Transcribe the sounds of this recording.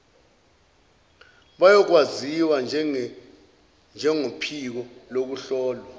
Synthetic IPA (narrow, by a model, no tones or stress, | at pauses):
ɓajɔk̬waziwa | nd͡ʒʱɛŋopʰik̬ɔlok̬uɬɔːlwa